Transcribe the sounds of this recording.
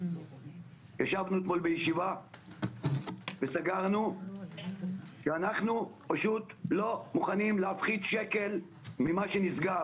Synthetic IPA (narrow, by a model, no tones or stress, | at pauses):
jaʃavnuet̪mo̞lbejeʃiva | vesaɡaʁnu | ʃeanaχnupaʃut̪lo̞muχanimleafχid̪ʃe̞ke̞l | mimaʃenisɡaʁ